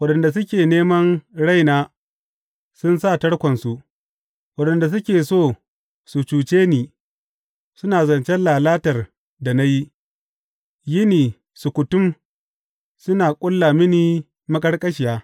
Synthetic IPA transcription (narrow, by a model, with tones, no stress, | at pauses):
wɐ˦ɗɐ˨nda˨s̬ʊ˦kʲeː˨neː˦mɐ˦nɽa˦˨jnaː˦ | sʊ˦nsa˦˨tɐ˦ɽkʷɐ˨nsu˨ʔ | wɐ˦ɗɐ˨nda˨s̬ʊ˦kʲeː˨soː˦˨ | su˨t͡ʃuː˨t͡ʃeː˦niː˨ | sʊ˦naː˨zɐ˨nt͡ʃɛ˦nlaː˨laː˦tɐ˨r | da˨na˦ji˦ʔ | jɪ˦niː˨ | su˨kʷʊ˨tʊ˦m | sʊ˦naː˨kʷʼʊ˦lːaː˨mɪ˦niː˦ | mɐ˦kʼɐ˦ɽkʼɐ˦ʃɪ˨jaː˦